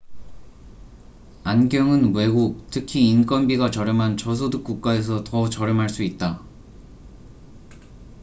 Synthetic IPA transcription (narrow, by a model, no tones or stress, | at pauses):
anɡjʌŋɯnwe̞ɡuk̚tʰɯkʰiːnk͈ʌnbiɡat͡ɕʌɾjɯmɦant͡ɕʌs̬ʰodɯk̚k͈uk̚k͈ae̞s̬ʰʌtʌt͡ɕʌɾjɯmɦaɭs͈uit̚t͈a